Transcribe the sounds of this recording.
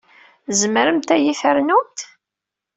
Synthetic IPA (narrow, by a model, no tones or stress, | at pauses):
zəməɾəmt̪æjiθəɾnumt̪